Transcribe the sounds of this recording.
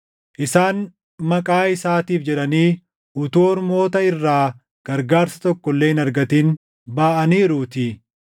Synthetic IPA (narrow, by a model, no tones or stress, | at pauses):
ʔɪsaːn | mɐkʼaːɪsaːt̪iːfd͡ʒɛᶑɐniː | ʊt̪oːɾmo̞ːt̪ɐɪrːaː | ɡ̥ɐɾɡaːɾsɐ̥t̪ɔkːɔlːeːɪnɐɾɡɐt̪iːn | baːʔɐniːɾuːt̪ɪ